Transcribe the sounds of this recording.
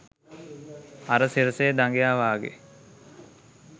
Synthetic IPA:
aɾəsiɾəseːd̪aŋɡejaːʋaːɡḛ

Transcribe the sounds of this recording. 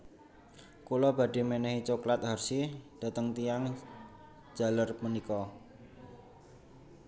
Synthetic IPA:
kulɔb̥a̤ɖ̥i̤menɛhit͡ʃoklat̪̚ɦarsid̥a̤t̪əŋt̪ijaŋ̥ | d͡ʒ̥a̤lərmunikɔ

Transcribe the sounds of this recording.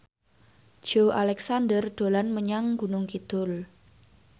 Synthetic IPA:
ʒ̥oʔalɛksand̪ərɖ̪̥o̤lanməɲaŋɡṳnʊŋkid̪̥ʊl

